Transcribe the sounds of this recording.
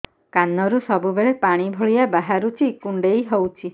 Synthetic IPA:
kanɔɾusɔbubeɭepaɽ̃ibʱoɭijabaɦaɾut͡ʃʰikuɳɖejɦowt͡ʃʰi

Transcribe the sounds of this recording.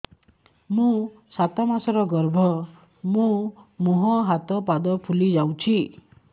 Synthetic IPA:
mũsat̪amasɔɾɔɡɔɾbʱɔ | mũmuɦɔɦat̪ɔpad̪ɔpʰulid͡ʒawt͡ʃʰi

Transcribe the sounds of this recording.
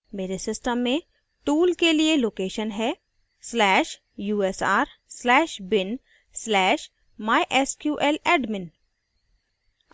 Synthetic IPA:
meːɾesɪsʈəmːẽ | ʈuːlkelieloːkeːʃənɦɛː | slɛːʃ | juːɛsaːɾslɛːʃbɪn | slɛːʃ | maːiʔɛskjuːʔɛlɛːɖmɪn

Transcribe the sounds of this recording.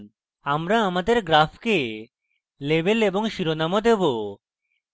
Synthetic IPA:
amɾaamad̪eɾɡɾafʰke | lebeleboŋʃiɾonamod̪ebo

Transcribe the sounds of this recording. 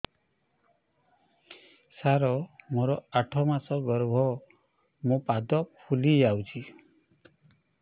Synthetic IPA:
saɾɔmoɾɔaʈʰɔmasɔɡɔɾbʱɔ | mũpad̪ɔpʰuliawt͡ʃʰi

